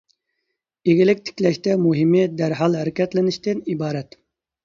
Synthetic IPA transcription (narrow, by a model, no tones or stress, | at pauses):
eɡʲilɪk̚ʲt̪ʰɪ̥kʲlɛʃt̪ɛmuɦɪmɪd̪æɾɦɑlˠhæɾɪkʲɛt̪lɪnɪʃt̪ɪnibɑːɾɛt̪